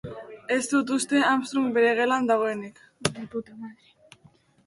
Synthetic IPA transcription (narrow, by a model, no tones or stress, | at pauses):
e̞zd̪ut̪̬ust̪e̞amst̪ɾumbeɾeɣ̞e̞land̪aɣo̞enik